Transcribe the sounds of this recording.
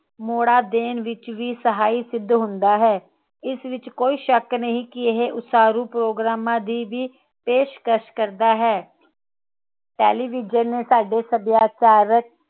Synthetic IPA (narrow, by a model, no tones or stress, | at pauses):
moːɽaːd̪eːnʋɪt͡ʃʋiːsəɦaːiːsɪd̪ʱːɦʊnd̪aːɦɛː | ɪsʋɪt͡ʃkoːiːʃəknəɦĩːkɪɪɦeʔʊsaːɾuːpɾoːɡɾaːmãːd̪iːʋiː | peːʃkəʃkəɾd̪aːɦɛː | ʈɛːliːʋɪːd͡ʒəɾneːsaːɖeːsəbjaːt͡ʃaːɾək̚